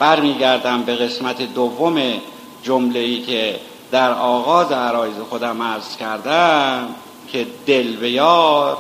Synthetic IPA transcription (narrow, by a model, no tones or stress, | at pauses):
b̥æɾmiːɟæɾd̪æmbe̞ɣe̞smæt̪ʰed̪ovːome | d͡ʒomleiːcʰe̞ | d̪̥æɾɒːɣɒːzeæɾɒːjizexo̞d̪æmæɾz̥cʰæɾd̪æm | cʰe̞d̪elbe̞jɒːɾ